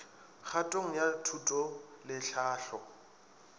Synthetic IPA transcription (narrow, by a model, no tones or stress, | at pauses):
χʰatʼoŋ̩jatʰutʼɔlɪɬaːɬɔ